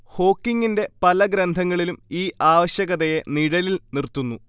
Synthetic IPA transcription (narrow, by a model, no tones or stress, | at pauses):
ho̞ːkːiŋːɡinde̞pɐlɐɡɾɐnd̪ʱɐŋːɐɭilumiːʔaːʋɐɕjɐɣɐðejeniɽɐlilnirt̪ːunːu